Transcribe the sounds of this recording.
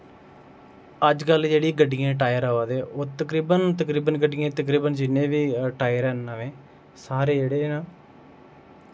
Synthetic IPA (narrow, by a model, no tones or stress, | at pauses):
əd͡ʒkəld͡ʒeːɽiːɡəɖɪjãːʈ̬aːjəɾaːʋaːd̪eːoːt̪əkɾiːbənt̪əkɾiːbənɡəɖɪjãːt̪əkɾiːbənd͡ʒɪnːẽːʋiːʈaːjəɾɛːnːaːʋẽː | saːɾeːd͡ʒeːɽeːnaː